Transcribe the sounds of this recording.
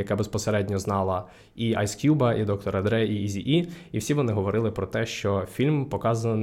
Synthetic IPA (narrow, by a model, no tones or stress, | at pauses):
jɐkabespɔseɾɛdʲnʲɔznɑlˠɐ | iɐjskʲjubɐʔid̪ɔkt̪ɔɾɐd̪ɾɛiizʲiʔiiwsʲiʋɔnɪɦɔʋɔɾɪlˠɪpɾɔt̪ɛʃt͡ʃɔfʲilʲmpɔkɑzɐnɐ